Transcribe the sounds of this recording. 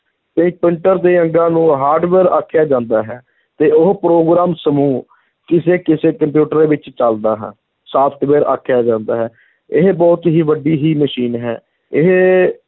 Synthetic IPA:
pɪ̃ĩk̚pɪɳʈəɾd̪eːəŋɡãːnũːɦaːɾɖʋeːɾa̰ːkʰːjaːd͡ʒãːnd̪aːɦɛː | t̪eːʊɦpɾoːɡɾaːmsəmũː | kɪseːkɪseːkəmp̬juːʈəɾeːʋɪt͡ʃt͡ʃəld̪aːɦː | saːpʰt̪ʋeːɾa̰ːkʰjaːd͡ʒãːnd̪aːɦɛː | ɪɦbɔːt̪ɦiːʋəɖiːɦiːməʃiːnɦɛː | ɪɦ

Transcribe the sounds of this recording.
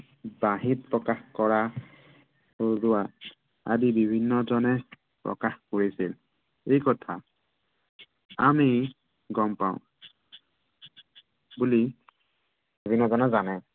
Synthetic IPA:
baɦit̚pɹɔkaxkɔɹa | ozʊa | a̰dibibʱinːɔzɔnɛ | pɹɔ̰kaxkoɹisil | ejkɔtʰa | ami | ɡɔmpaʊ̃ | buli | bibʱinːɔzɔnɛzanɛ

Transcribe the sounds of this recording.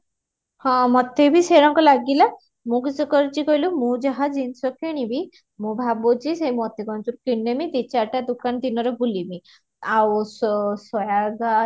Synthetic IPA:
hɔ̃mɔt̪ʰebʱiseɾɔŋkɔlaɡila | mũkisʰukɔɾit͡ʃikɔjlumũd͡ʒaɦad͡ʒinsɔkeɽ̃ibʱi | mũbʱabot͡ʃisemɔt̪ekɔnt͡ʃuɾukinːemit̪it͡ʃaʈad̪ukand̪inɔɾɔbulimi | awsɔsɔjaɡa

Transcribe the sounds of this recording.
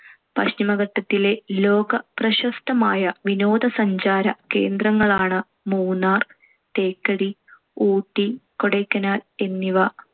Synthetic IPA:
pɐɕtimɐɣɐʈːɐt̪ːile̞lo̞ːɡɐprɐɕɐst̪ɐmaːjɐʋino̞ːd̪ɐsɐɲd͡ʑaːɾɐke̞̰ːnd̪rɐŋːɐɭaːɳɨ | muːnaːr | t̪e̞ːkːɐɽi | uːʈːikoɽɐjkːɐnaːle̞nːiʋɐ

